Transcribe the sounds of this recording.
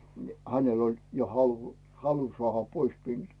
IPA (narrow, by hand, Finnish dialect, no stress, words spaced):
ni hænel olʲ jo hɑlu̥ hɑlu soɑˑhɑ pois minːuː